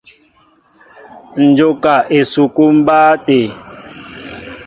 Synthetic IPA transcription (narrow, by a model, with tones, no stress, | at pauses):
n̩˨d͡ʒo˦ka˨ʔe˨su˨ku˦m̩˦baː˦te˨